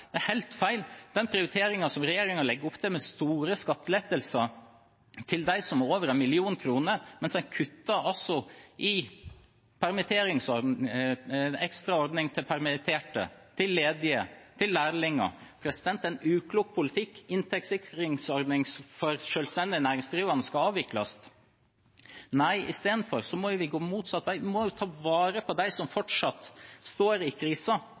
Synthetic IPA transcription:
d̪̥ɛæɾhæɪlt̪fæɪld̪̥ɛnpʰɾɪʊɾɪt̪ʰeːɾɪŋɑsɔmɾɛjeːɾɪŋɑlɛɡːəɾʊpːt̪ʰɛmɛst̪uːɾəskɑt̪ːleːt̪əlsə | t̪ʰɪld̪æɪsɔmoːʋəɾɛnmɪlɪuːnkʰɾuːnəɾmɛnsækʰʉt̪ːɑɔsɔʔɪ | pʰæɾmɪt̪ʰeːɾɪŋsɔɾ | ɛkst̪ɾɑɔɾd̪nɪŋt̪ʰɪlpʰæɾmɪt̪ʰeːʈə̰t̪ʰɪlːeːd̪ɪət̪ʰɪlːæːɾlɪŋːɑ̰pʰɾɛsɪd̪ɛnt̪ɛnʉːkʰluːɡ̚pʰʊlɪt̪ʰɪkːɪnt̪ʰɛksɪkɾɪŋsɔɾd̪nɪŋsfɔɾʂøːlst̪ɛnd̪ɪnæːɾɪŋsɡɾiːʋɑnəskɑɑːʋɪklɑst̪ | næɪʔɪ̰st̪eːd̪n̩fɔɾsɔmɔjʊʋɪɡoːmuːt̪sɑt̪ːʋæɪʋɪmɔjʊt̪ʰɑːʋɑːɾəpʰɔd̪æɪsɔmfɔʈʂɑt̪ːst̪oːɾɪkʰɾiːsɑ

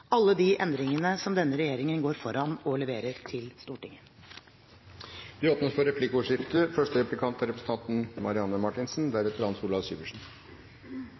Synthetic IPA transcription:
ʔɑlːəd̪iːʔɛnd̪ɾɪŋənəsɔmd̪ɛnːəɾɛjeːɾɪŋənɡoːɾfɔɾɑnɔlɛʋeːɾəɾt̪ʰɪlst̪uːʈɪŋə | d̪̥ʉoːpnəspɔɾɛpʰlɪkɔːʂɪft̪əfœʂʈəɾɛplɪkʰɑnt̪æɾɛpɾəsət̪ɑnt̪n̩mɑɾɪɑnːəmɑʈɪnsn̩d̪æɾɛt̪əɾhɑnsuːlɑʋsy̰ːʋəʂɳn̩

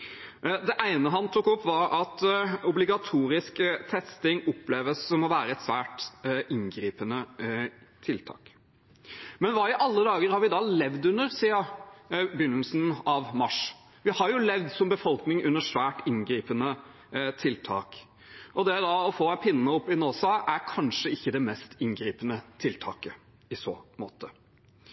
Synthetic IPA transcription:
d̪ɛʔæɪnəɦɑnt̪ʰʊkːɔpːʋɑɾɑt̪ʊblɪɡɑt̪ʰuːɾɪskt̪ʰɛst̪ɪŋɔpːleːʋəsːsɔmɔʋæːɾəɛt̪sʋæːʈʔɪŋɡɾiːpənə | t̪ʰɪlt̪ʰɑ̰ːk | mɛnʋɑːɪʔɑlːəd̪ɑːɡəɾhɑɾʋɪd̪ɑlɛʋd̪ʉnːəɾsiːə | bjʏnːlsn̩ɑʋmɑʂ | ʋɪhɑɾjʊlɛʋd̪sɔmbəfɔlknɪŋʉnːəʂʋæːʈɪŋɡɾiːpənə | t̪ʰɪlt̪ʰɑ̰ːk | ʔɔd̪ɛd̪ɑɔfoːpʰɪnːənəɔpːɪnoːsɑʔæɾkʰɑnʂəɪçːəd̪ɛmɛst̪ɪŋɡɾiːpənət̪ʰɪlt̪ʰɑ̰ːkə | ɪsoːmo̰ːt̪ə

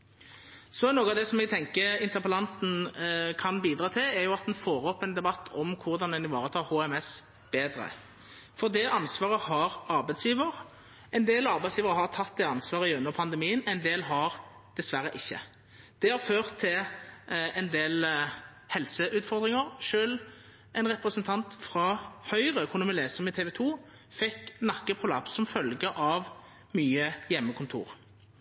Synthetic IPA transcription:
sɔɛnoːɡɑd̪ɛsɔmɛɡ̚t̪ʰɛŋkəɾɪnt̪əʁpəlɑnt̪n̩kʰɑnbiːd̪ɾɑːt̪ʰɪlɛjʊɑt̪̚d̪ɛnfoːɾɔpːɛnd̪ɛbɑt̪ʰːɔmkʰʊʁd̪ɑnd̪ɛnɪʋɑːʁət̪ʰɑːʁhuːɛmɛs | b̥eːd̪ɾə̰ | fɔʁd̪ɛʔɑnsʋɑːʁəhɑɾɑɾbæɪt̪sjiːʋəɾ | ɛɪnd̪eːlɑɾbæɛtsjiːʋəʁəɦɑʁt̪ʰɑt̪ːd̪ɛɑnsʋɑːʁəɪʉnːəʁpʰɑnd̪ɛmiːənɛɪnd̪eːlɦɑɾ | d̪̥ɛsʋæɾːəʔɪçːə̰ | d̪̥ɛhɑɾføːʁt̪ʰːɪl | ɛnd̪eːl | hɛlsəʔʉːt̪fɔʁd̪ʁɪŋəʁʂøːl | ɛɪnʁɛpʁəsənt̪ʰɑnt̪fɾɑhœʏʁəkʰʊnʊmɪleːsəmɪt̪ʰeːʋɛt̪ʰuː | fɛknɑkːəpʰʊlɑ̰psːɔmfœlɡəʔɑʋ | myːəjɛmːəkʰʊnt̪ʰṵːʁ

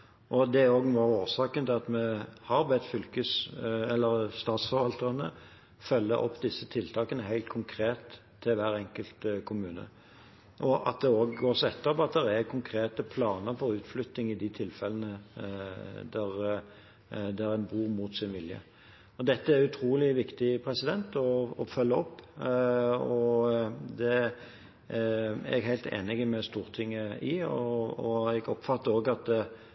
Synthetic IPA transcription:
ʔɔd̪ɛæɾoːɡnuɑoːsɑːkənt̪ɪlɑt̪mɛhɑɾbɛt̪fʏlkəsɛlːəɾst̪ɑːt̪sfɔɾʋɑlt̪əɑnə | fœlːə̰ʔɔ̰pːd̪ɪsːət̪ʰɪlt̪ʰɑːkənəhæɪlt̪̚kʰʊŋkʰɾeːt̪ʰː | ɪlʋæːɾɛŋkəlt̪kʰʊmʉːnə̰ | ʔɔʔɑ̰t̪̚d̪ɛoːɡɡoːɾsɔɛt̪ːəɾpɔɑt̪̚d̪ɛɾækʰʊŋkʰɾeːt̪əpʰlɑːnəɾfɔɾʉːt̪flʏt̪nɪŋɪd̪ɪt̪ʰɪlfɛlːənə | d̪æɾ | d̪ɛɾænbuːɾmuːt̪sɪnʋɪljə̰ | ɔd̪ɛt̪ːəæɾʉt̪ʰɾuːlɪʋɪkt̪ɪpʰɾɛsɪd̪ɛnt̪ɔɔfœlːəɔpː | ɔ | d̪ɛ | æ̰ɛɡɦæɪlt̪ḛːnɪɡəmɛst̪uːʁt̪ʰɪŋːəɪɔɔɛɡɔpfɑt̪ːəɾoːɡɑt̪̚d̪

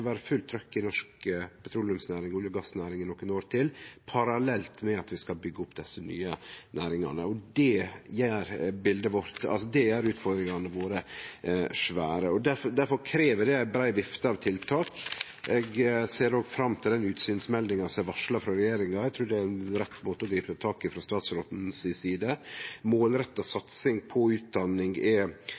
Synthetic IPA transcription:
ʋæːɾəfʉlt̪ʰːɾœkːɪnɔʂkəpʰɛt̪ʰɾulʉmsnæːɾɪŋʊːljəɡɑsːnæːɾɪŋənɔkːənoːɾt̪ʰɪlpʰɑɾɑlɛlt̪mɛɑt̪ʋɪskɑlbʏɡːəʊpd̪ɛsːəny̰ːənæːɾɪŋɑ̰nə̰ɔd̪ɛjæɾbɪld̪əʋɔɾt̪ɑ̰lsɔd̪ɛjæɾʉːt̪fɔɾd̪ɾɪŋɑnəʋoːɾə | ʂʋæːɾəɔd̪æɾfɔd̪æɾfɔɾkʰɾeːʋəd̪ɛæɪbɾæɪʋɪft̪əɑʋt̪ʰɪlt̪ʰɑːk | ɛɡseːɾnoːɡfɾɑmːt̪ʰɪld̪ɛnʉːt̪syːnsmɛld̪ɪŋɑsɔɛʋɑʂlɑfɾɑɾɛjeːɾɪŋɑɛɡt̪ʰɾʉːɖɛænɾɛt̪ːmoːt̪əɔd̪ɾiːpət̪ət̪ʰɑːkɪfɾɑst̪ɑːt̪sɾoːt̪n̩ssiːd̪əmoːlɾɛt̪ːɑsɑt̪sɪŋpʰɔʉːt̪̚d̪ɑnːɪŋɛ

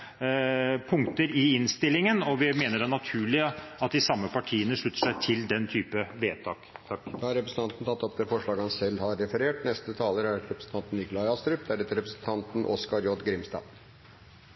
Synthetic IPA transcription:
pʰʊŋt̪əɾɪɪnst̪ɪlːɪŋənɔʋɪmeːnəɖɛnɑt̪ʰʉːɭɪəɑt̪̚d̪ɪsɑmːəpʰɑʈʰiːənəʂɭʉt̪ːə̥ʂæɪt̪ʰɪld̪ɛnt̪ʰyːpəʋeːt̪ʰɑːkt̪ʰɑkːd̪ɑːhɑɾɛpɾəsn̩t̪ɑnt̪n̩t̪ʰɑt̪ːɔp̚d̪ɛfɔʂɭɑːɡəhɑnsɛlːhɑɾːɛfəɾeːʈnɛst̪ət̪ʰɑːləɾæɾɛpɾəsn̩t̪ɑnt̪n̩ɪklɑɪɑst̪ɾʉpd̪æɾɛt̪əɾɛpɾəsn̩t̪ʰɑnt̪n̩ʔɔskɑɾjɔɖ̪ɡɾɪmst̪ɑ̰ːn

